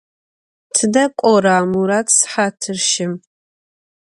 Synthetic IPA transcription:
tʰɨdɐkʷʼɔɾaːmuɾaːtʰsħaːtʰɨrʃɪm

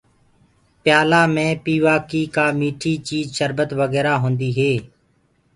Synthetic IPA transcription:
pjaːlaːmẽːpiːʋaːkiːkaːmiːʈʰiːt͡ʃiːzʃəɾbət̪ʋəɣɛːɾaːɦõːnd̪iːɦeː

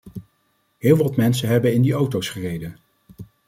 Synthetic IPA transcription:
ɦɪːlˠʋɑtmɛnsəɦɛbənɪndiowtowsχərejdən

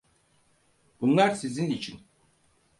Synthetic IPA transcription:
bunlˠaɾsizinit͡ʃʰin

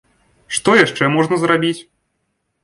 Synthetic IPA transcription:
ʂt̪ɔjaʂt͡ʂɛmɔʐnɐzɾabʲit͡sʲ

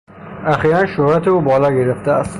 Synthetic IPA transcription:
æxiːɾænʃohɾæt̪ʰeuːbɒːlɒːɟeɾeft̪eæst̪

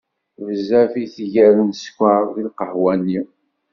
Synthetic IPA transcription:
vəzæfiθʝæɾənskʷːaɾðilqəhwænːi

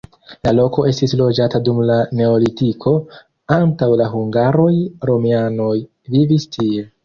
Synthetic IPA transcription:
lalo̞ko̞e̞stislo̞d͡ʒatadumlane̞olitikʰo̞ | antawlaɦuŋɡaɾo̞jɾo̞miano̞j | vivistʰie̞

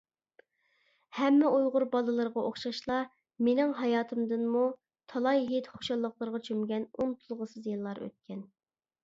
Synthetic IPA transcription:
hɛmːɪojʁʊɾbɑlˠɨlˠɨɾʁɑoχʃɑʃlˠɑ | menɪŋɦɑjɑːt̪ʰɨmd̪ɨnmu | t̪ʰɑlˠɑjɦet̪χo̥ʃɑlˠːəqlˠəɾʁɑt͡ʃʰømɡʲɛnont̪ʰulˠʁəsɨzjɨlˠːɑɾø̰t̪̚kʲʰɛn

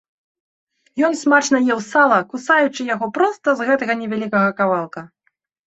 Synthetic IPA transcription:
jɔnsmat͡ʂnɐjɛwsalˠɐkusajut͡ʂɨjaɣɔpɾɔst̪ɐzɣɛt̪ɐɣɐnʲɛvʲalʲikɐɣɐkavalˠkɐ

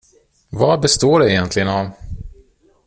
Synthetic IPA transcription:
vɑbɛst̪oːɖɛɛjɛnt̪ʰlɪɡənav

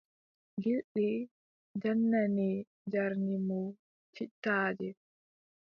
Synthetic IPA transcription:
ɡilɗi | d͡ʒanːani | d͡ʒaɾnimɔ | t͡ʃitːaːd͡ʒɛ

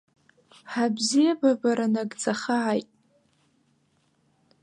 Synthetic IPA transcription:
ħabzijababaɾanaɡd͡zaχaʕajtʼ

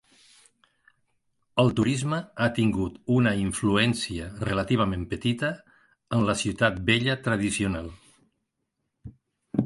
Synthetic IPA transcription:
əlˠt̪uɾizməat̪iŋɡut̪unəiɱfluɛnsiərələt̪iβ̞əmempət̪it̪əː | nləsiwt̪at̪̚beʎət̪ɾəð̞isiunalˠ

